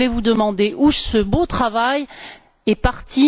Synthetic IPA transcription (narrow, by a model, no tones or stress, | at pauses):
levud̪əmɑ̃d̪eʔusəbot̪χavaj | ɛpaʁt̪ʰi